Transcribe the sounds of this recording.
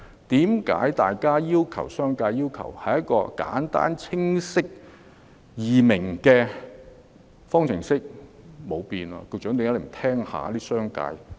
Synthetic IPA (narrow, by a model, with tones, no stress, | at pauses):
t̪iː˨˥mka̰ː˨˥jt̪aː˨jkaː˥jiː˥wkʰɐ˨˩wsœː˥ŋkaː˧jiː˥wkʰɐ̰˨˩whɐ˨jɐ˥t̚kːɔː˧ka̰ː˨˥nt̪a̰ː˥nt͡sʰɪ˥ŋsɪ˥k̚ | jiː˨mɪ˨˩ŋkɛː˧ | fɔː˥ŋt͡sʰɪ˨˩ŋsɪ˥k̚ | mo˨˧wpiː˧na̰˧ko˧t͡ʃœ˨˥ŋt̪e˨˧ŋa˨˥le˨˩m˨˩t̪ʰɛː˥ŋha̰ː˨˧˦liː˥sœː˥ŋka̰ː˧j